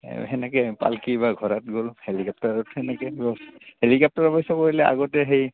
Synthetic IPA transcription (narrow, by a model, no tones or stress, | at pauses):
ɦɛnɛkɛpa̰lkibaɡʱɔɹatɡolhelikap̚taɹɔthɛnɛkɛɹɔhelikap̚taɹɔpɔjsɔkoɹilɛa̰ɡɔtɛɦej